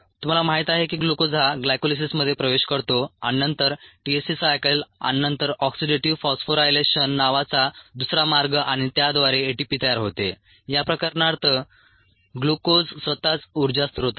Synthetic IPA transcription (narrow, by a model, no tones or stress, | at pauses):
t̪um̤alamaɦit̪aɦekiːɡlukod͡zɦaɡlajkolis̬isməd̪ʱːjepɾəʋeɕkəɾt̪oãinənt̪əɾʈiesisajkəla̰nnənt̪əɾɔksiɖeʈiʋfɔsfoɾajleɕənːaʋat͡sad̪usɾamaɾɡəʔaɽ̃it̪jad̪ʋaɾeːʈipit̪əjaɾɦot̪e | japɾəkaɾnaɾt̪ʰə | ɡlukod͡zsʋət̪at͡suɾd͡zast̪əɦot̪a